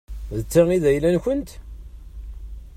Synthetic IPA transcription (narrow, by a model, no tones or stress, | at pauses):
ðət͡sːaiðæjlænçənt̪